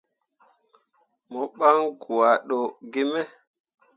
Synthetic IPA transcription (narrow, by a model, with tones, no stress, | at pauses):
mɔ˨ɓa˦ŋɡu˨a˨ɗo˨ɡe˦mɛ˦